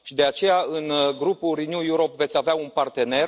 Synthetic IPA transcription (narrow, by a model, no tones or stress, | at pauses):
ʃid̪e̞at͡ʃe̞jaɨnɡɾupurinjujuɾo̞pve̞t̪sʲaveaunpart̪e̞ne̞r